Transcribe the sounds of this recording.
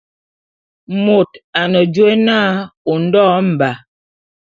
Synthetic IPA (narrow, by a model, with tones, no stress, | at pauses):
mo˨ta˨nə˨d͡ʒwe˦naː˦o˨n̩˦dɔː˦m̩˨ba˨